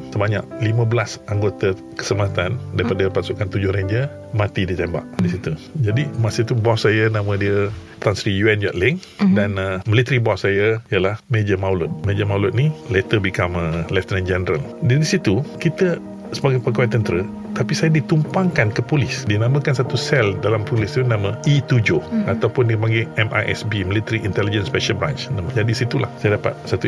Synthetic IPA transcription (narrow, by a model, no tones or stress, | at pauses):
səbaɲa̰ʔ̚limə̃bəlasaŋɡot̪ə | kə̥səmaɦat̪andaɾipadəpasukant̪ud͡ʒʊhɾeɲd͡ʒə | mãt̪idit̪ɛmba̰ʔdisit̪ud͡ʒadimasət̪ubɔsːajənãmə̃diə | t̪ansɾijuɛnd͡ʒaʔlɪŋdanmə̃lit̪əɾibɔsːajəijəlahmed͡ʒəmaulʊt̪̚med͡ʒəmaulʊt̪̚nilet̪əbikaməlɛft̪nãnd͡ʒɛnəɾəldiisit̪ukit̪ə | səbaɡajpəɡawat̪ənt̪əɾə | t̪apisajadit̪umpaŋkankəpulɪsdiənãmə̃kansat̪usɛldalampulɪst̪unãmə̃it̪ud͡ʒoat̪awpʊndiəpaŋɡiɛmʔa̰ʔɛ̰sbimĩlit̪əɾiʔint̪ɛlid͡ʒənspɛʃəlbɾãnt͡ʃnaməd͡ʒadisit̪ulahsajadapa̰t̪̚sat̪u